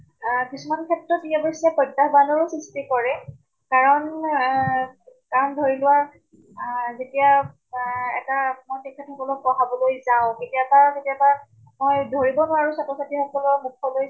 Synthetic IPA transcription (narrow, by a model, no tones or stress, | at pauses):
kisumankʰɛtɹɔtijabɔsɛpɔdːaɦbanɔɹʊsɹistikɔɹɛ | kaɹɔn | kamdʱoɹilʊwaɹ | zetija | ɛ̰tamojsikʰːatʰɔkɔlɔkɔɦabɔlojzaʊ̃ketijabazetijaba | mojdʱoɹibɔnʊwaɹusatɔsatixɔkɔlɔmukʰːɔloj